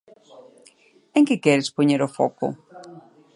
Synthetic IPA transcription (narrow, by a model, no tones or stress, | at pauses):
eŋkɪkɛɾɪspoɲeɾofɔ̰kʊ̰